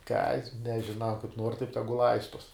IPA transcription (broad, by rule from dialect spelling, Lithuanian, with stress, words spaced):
kɐt nʲɛʒʲɪˈnɐʊ kɐɪp nuɔr tɐɪp ˈtʲæːɡʊ ˈlˠɐɪstuɔs